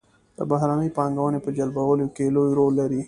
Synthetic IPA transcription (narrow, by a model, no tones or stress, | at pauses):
d̪̥ə̰baɦɾaːnəipaːŋɡawənepəd͡ʒɐlbɐwəlokelojɾolːɐɾi